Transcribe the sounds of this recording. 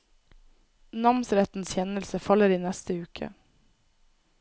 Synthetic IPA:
nɑmsɾɛt̪n̩sçɛnəlsəfɑləɾiːnɛst̪əʉːkʰə̰

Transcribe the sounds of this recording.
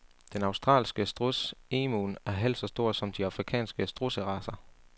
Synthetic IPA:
d̥enɑ̈ʊsd̥ʁɑ̰̈ːlsɡ̥əsd̥ʁuseːmunæɐɦel̰̥sɒ̽sd̥o̝ɐ̰sɒ̽md̥iɑ̈fʁikʰɛ̰ːnsɡ̥əsd̥ʁusəʁɑ̈sɐ

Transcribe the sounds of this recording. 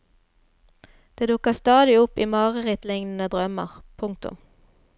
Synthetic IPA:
d̪̥eːd̪ʊkəst̪ɑːd̪ɪʊpiːmɑːʁəʁɪt̪lɪŋnn̩əd̪ʁœmə̰ʁpʰʊŋk̚t̪ʊ̰m

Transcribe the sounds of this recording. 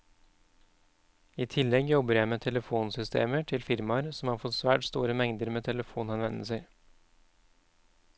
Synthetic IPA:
iːt̪ʰɪlːɛɡjɔbəɾjæɪmeːt̪ʰɛləfuːnsʏst̪ʰḛːməʈʰɪlfɪɾmɑɾsɔmhɑːɾfɔt̪sʋæːʈst̪uːɾəmɛŋd̪əɾmeːt̪ʰɛləfuːnɑnʋɛnl̩səɾ

